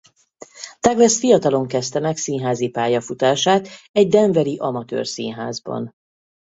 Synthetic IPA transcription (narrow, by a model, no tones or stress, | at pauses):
t̪ɛɡlɛsfijɒt̪ɒlo̞ŋkɛst̪ɛmɛksinɦaːzipaːjɒfut̪aːʃaːt̪ɛɟd̪ɛɱvɛɾiʔɒmɒt̪ø̰ːrsinɦaːzbɒ̰n